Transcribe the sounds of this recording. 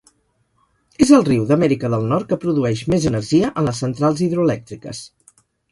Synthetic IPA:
ezəlˠriwðəmɛɾikəðəlˠnɔrt̪̚kəpɾuðuɛʃmezənəɾʒiəʔənləsənt̪ɾalˠziðɾuəlɛk̚t̪ɾikə̰s

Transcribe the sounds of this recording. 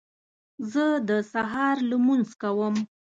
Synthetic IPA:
zəd̪əsaɦɑɾləmunzkawəm

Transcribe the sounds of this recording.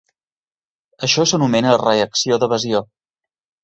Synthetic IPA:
əʃɔsənumɛnərəəksioðəβəzio

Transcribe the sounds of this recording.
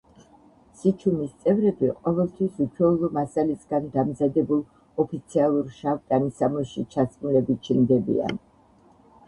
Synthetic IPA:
sit͡ʃʰumist̪sʼɛvɾɛbiqʼɔvɛlˠt̪ʰwisut͡ʃʰwɛulˠɔmasalisɡand̪amzad̪ɛbulˠ | ɔpʰit̪sʰialˠuɾʃavt̪ʼanisamɔʃit͡ʃʰasʼmulɛbit͡ʃʰind̪ɛbḭa̰n

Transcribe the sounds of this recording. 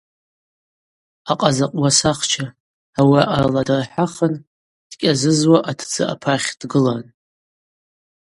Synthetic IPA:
aqʼazaqʼwasaχt͡ʃʰaː | waʔaraladarħaχən | d̥kʲʼazɨzwaʔatʰd͡zɨ̰ʔa̰pʰaχʲd̥ɡɨlan

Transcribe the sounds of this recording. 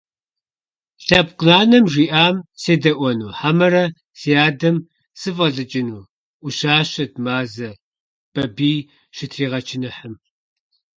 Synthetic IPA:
ɬɐpqnaːnɐmʒʷiːʔaːmseːdɐʔʷɔnuːħamɐɾɐ | seaːdɐm | sɨfʼɐɮɨt͡ʃʼɪnuː | ʔʷʊʃaːɕɐd̚maːzɐ | b̥ɐbiː | ʃɪtʰriːʁɐt͡ʃʰɪnɨħəm

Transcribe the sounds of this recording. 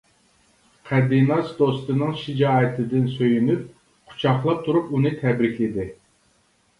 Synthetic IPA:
qʰɛd̪inɑsd̪ost̪ɨnɨŋʃid͡ʒɑːɪt̪ʰɪd̪ɪnsøjynyp̚ | qʰʊ̥t͡ʃʰɑχlˠɑp̚t̪ʰuɾupunɨt̪ʰɛbɾɪkʲɪd̪ɪ

